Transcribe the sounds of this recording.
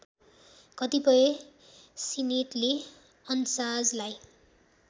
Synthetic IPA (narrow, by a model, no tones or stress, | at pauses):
kʌt̪ipʌje | sineʈle | ʌnsad͡zlaj